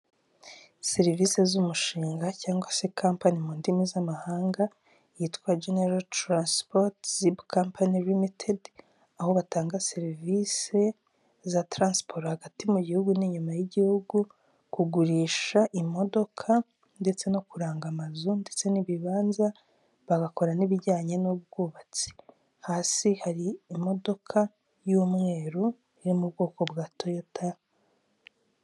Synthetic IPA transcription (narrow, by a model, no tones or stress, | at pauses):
seɾivise̞zumuʃiːŋɡacaːŋɡwase̞kʰaːmpanimuːndimizamahaːŋɡa | jitwaːd͡ʒeneɾaltɾanspotsibkaːmpʰanilimitʰed | aho̞βataːŋɡaseɾivise̞ | zatɾaːnspoɾhaɡatimuɟihuɡuniɲumajiɟihuɡu | kuɡuɾiːʃaʔimo̞do̞kʰa | nde̞t͡se̞no̞kuɾaːŋɡamazunde̞t͡se̞niβiβaːnza | βaɡako̞ɾaniβiɟaːɲenub̚ɡuːβat͡si̥ | haːsihaɾiːmo̞do̞kʰa | juːmŋe̞ːɾo | iɾimubɡo̞ːko̞bɡaːtʰo̞jota